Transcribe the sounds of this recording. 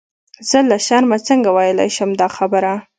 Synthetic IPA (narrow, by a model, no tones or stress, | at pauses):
z̥əlaʃɑɾmat͡səŋɡawajəla̰jʃəmd̪ɑxabəɾa